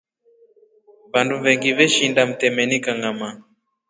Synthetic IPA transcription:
vanduvɛŋɡivɛʃindam̩tɛmɛnikaŋama

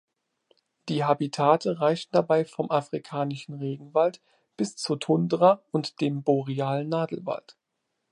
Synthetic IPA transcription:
d̥iːɦabitʰaːtʰəʁaɪçn̩dabaɪfɔmʔafʁ̥ikʰaːnɪʃn̩ʁeːɡŋ̩valt | b̥ɪst͡sutʰʊndəʁaʊntd̥eːmboʁiaːlnaːdl̩va̰lt

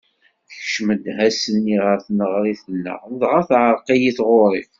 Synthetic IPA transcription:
θç̥ʃməd̪ɦæsənːiʁəɾθnəʁɾiθənːə̰ʁnəðʁəθʕəɾˤqijiθʁʊɾˤiθ

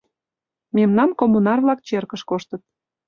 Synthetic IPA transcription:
memnɑmkomunɑrβlɑk̚t͡ɕerkəʃkoʃt̪ət̪̚

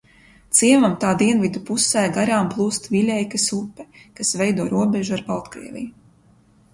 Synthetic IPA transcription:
t̪siɛvamt̪aːd̪iɛnvid̪upusɛːɡaɾaːmplˠuːst̪vilʲɛjkasupːɛkasvɛjd̪uɔɾuɔbʲɛʒuaɾpalˠt̪kɾḭɛvʲḭju

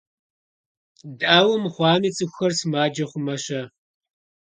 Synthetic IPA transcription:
daːwʊmχʷɑːmiːt͡sʼɨxʷxɐrsɨmaːd͡ʒɐχʷʊmɐɕɐ

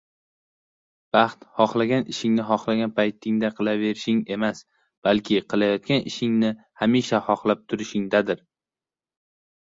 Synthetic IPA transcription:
b̥ɑχt̪hɒχlˠaɡʲanɪʃɪŋnɪɦɒχlaɡʲanpʰajt̪ʰɪŋd̪aqʰɨlˠave̞ɾɪʃɪŋe̞mas | b̥alkʲʰɪqʰɨlˠajɒt̪̚kʲanɪ̰ʃɪŋnɪ | hamiʃahɒχlˠap̚t̪ʰʊɾɪʃɪŋd̪ad̪ɪɾ

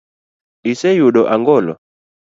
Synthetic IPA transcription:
isɛjuɗɔʔaŋɡɔlɔ̰

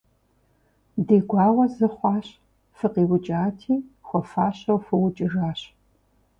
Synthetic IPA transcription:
deːɡʷɑːʁʷɔzɨχʷɑːɕ | fɨqiːwʊt͡ʃʼaːtʰiːxʷɔfaːɕɐwfɨwʊt͡ʃʼɪɣaːɕ

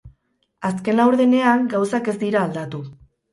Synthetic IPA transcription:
aske̞nlawɾðene̞aŋɡawsake̞zd̪iɾaːld̪at̪u

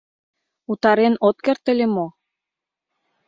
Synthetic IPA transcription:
ut̪ɑɾenot̪̚kert̪ə̆lʲemo

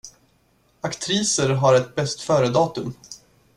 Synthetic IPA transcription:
akt̪ʰɾiːsəɾɦaɾɛt̪̚bɛst̪fœːɾəd̪ɑːt̪ɵm

